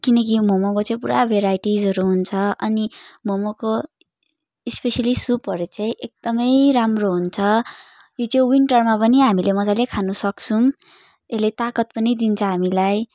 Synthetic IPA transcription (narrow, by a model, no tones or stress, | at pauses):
kinʌk̬imomokot͡sãĩpuɾabʱeɾajʈid͡zʌɾuɦunt͡sʰʌʔʌnimomoko | ispesʌlisupɦʌɾet͡sãĩʔek̚d̪ʌmʌjɾamroɦunt͡sʰʌ | jot͡saĩwiɳʈʌrmapʌniɦamilemʌd͡zalekʰanusʌkt͡sʰũm | elet̪akʌt̪̚pʌnid̪int͡sʰʌɦamilaj